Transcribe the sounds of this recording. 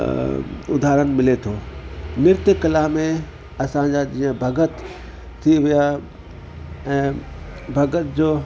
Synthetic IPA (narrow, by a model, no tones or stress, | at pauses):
ʊ̰d̪ʱaːɾən̆mɪlet̪ʰoːmɪɾt̪əkɐlaːmẽ | ɐsãɲd͡ʑad͡ʑĩːə̃bʱɐɡət̪ʰː | iʋija | ɛ̃ː | bʱɐɡət̪d͡ʑoː